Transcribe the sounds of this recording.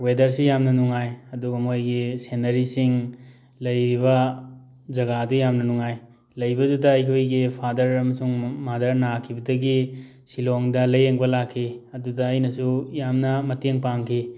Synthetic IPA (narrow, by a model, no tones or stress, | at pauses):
wedɐɾsujamnɐnuŋajɐduɡɐmojɡisenɐɾisiŋ | lɐjɾiβɐ | zɐɡadujamnɐnuŋaj | lɐjbɐdudɐːjkʰojɡipʰadɐɾɐmɐsuŋmadɐɾnakʰibɐdɐɡi | siloŋdɐlɐjeŋbɐlakʰːiɐdudɐːjnɐsujamnɐmɐteŋpaŋkʰi